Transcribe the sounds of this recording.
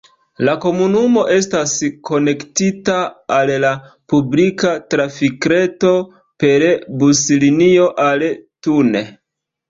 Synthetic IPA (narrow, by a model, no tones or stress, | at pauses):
lako̞munumo̞ʔe̞stasko̞ne̞ktitaːlla | publikatɾafikɾeto̞ | pe̞ɾbuslinio̞ʔaltune̞